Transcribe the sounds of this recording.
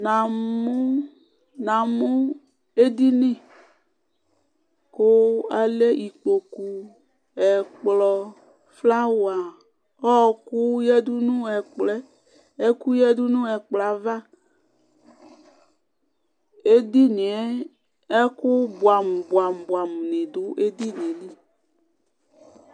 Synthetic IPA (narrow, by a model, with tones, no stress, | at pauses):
na˨mo˦ | nã˨mo˦ | e˦d̪i˦nĩ˦˨ | ko˦a˨le˦ʔi˨k͡po˨ku˨ | ɛ˨k͡plɔ˨ | fla˦wa˨ | ɔ˦ku˦jɛ˦du˦nũ˦ɛ˨k͡plɛ˦ | e˦ku˦jɛ˦du˦nũ˦ɛ˨k͡pla˨va˦ | e˦d̪i˦nĩ˨ɛ˦ | e˦ku˦bwa˨m˨bwa˨m˨ba˨m˨nĩ˨du˦ʔe˦d̪i˦nĩ˨li˦